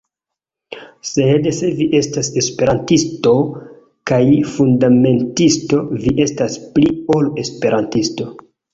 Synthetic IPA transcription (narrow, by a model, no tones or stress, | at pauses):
se̞dse̞viʔe̞stase̞spe̞ɾantisto̞ | kajfundame̞ntisto̞viʔe̞staspliole̞spe̞ɾʔantisto̞